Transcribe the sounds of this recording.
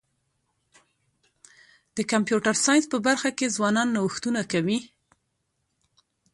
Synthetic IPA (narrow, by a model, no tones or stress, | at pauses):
d̪̥əkampjuʈaɾsɑjnspəbaɾxakezwɑnɑnːawəxt̪unakawi